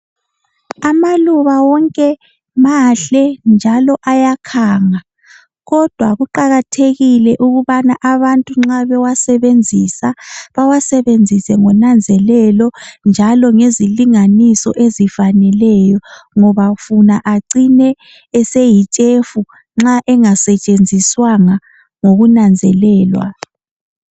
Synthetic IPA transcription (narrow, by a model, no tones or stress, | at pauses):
amaluβawɔŋkʼɛ | maɬɛnd͡ʒʱalɔʔajakʰaːŋa | ɣɔd̥ʱwaɣuǃaɣatʰeɣilɛʔuɣuβanaʔaβantʼuŋ͡ǁaβɛwasɛβend͡zʱisaβawasɛβend͡zʱisɛŋɔnand͡zʱɛlɛlɔnd͡ʒʱalɔŋeziliŋanisɔ̰ʔezifanɛlɛjɔŋɔβafunaʔaǀinɛː | sejit͡ʃʼefu | ŋ͡ǁaʔɛŋasɛt͡ʃʼend͡zʱiswaŋa | ŋoɣunand͡zʱɛlɛːlwa̰